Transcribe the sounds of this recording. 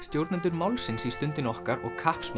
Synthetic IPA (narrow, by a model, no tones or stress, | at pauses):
st̪jowɾt̪nɪnt̪ʏɾmawlsɪnsist̪ʏnt̪ɪnɔhkaɾɔ̰ɣkʰahpsm